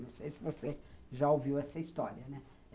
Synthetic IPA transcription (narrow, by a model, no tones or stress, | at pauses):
ẽw̃sejsɪvoseʒaoviwɛsɐist̪ɔɾiɐnɛ